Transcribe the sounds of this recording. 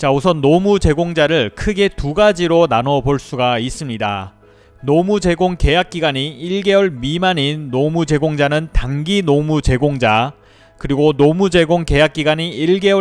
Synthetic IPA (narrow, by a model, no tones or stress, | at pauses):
t͡ɕausʰʌnːomud͡ʑe̞ɡoŋd͡ʑaɾɯɭkʰɯɡe̞tuɡad͡ʑiɾonanʌboɭs͈uɡais͈ɯmɲida | nomud͡ʑe̞ɡoŋke̞jak̚k͈iɡaɲiiɭɡe̞wʌɭmimaɲinːomud͡ʑe̞ɡoŋd͡ʑanɯntaŋɡinomut͡ɕe̞ɡoŋd͡ʑa | kɯɾiɡonomud͡ʑe̞ɡoŋke̞jak̚k͈iɡaɲiiɭɡe̞wʌ